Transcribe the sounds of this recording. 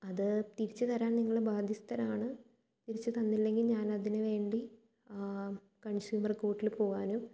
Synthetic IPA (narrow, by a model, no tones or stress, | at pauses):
ɐðɨt̪iɾit͡ɕːɨt̪ɐɾaːnniŋːɐɭebaːd̪ʱist̪ɐɾaːɳɨ | t̪iɾit͡ɕːɨt̪ɐnːilːe̞ŋɡilɲaːnɐðinɨʋe̞ːɳɖi | kɐɳɕuːmɐrko̞ːʈːilpo̞ːɣaːnum